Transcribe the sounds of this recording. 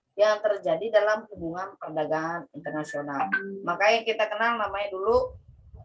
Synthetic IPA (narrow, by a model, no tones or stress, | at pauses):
jaŋt̪ərd͡ʒadidalamhubuŋanpərdaɡaŋanint̪ərnasionalmakajaŋkit̪akənalnamaɲadulu